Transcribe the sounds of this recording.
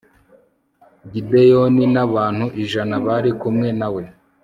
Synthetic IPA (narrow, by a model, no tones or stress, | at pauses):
ɡidejoninaβaːn̥huʔiʒanaβaɾikumŋe̞nawe̞